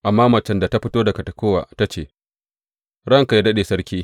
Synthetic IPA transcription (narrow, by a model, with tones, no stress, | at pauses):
ʔa˨mːaː˦mɐ˨t͡ʃɐ˦nda˨ta˦ɸɪ˦toː˦da˨kɐ˨tɐ˨koː˦wa̰ː˨ta˦t͡ʃeː˦˨ | ɽɐ˦ŋka˨jdɐ˦ɗeː˨sɐ˦ɾkʲiː˦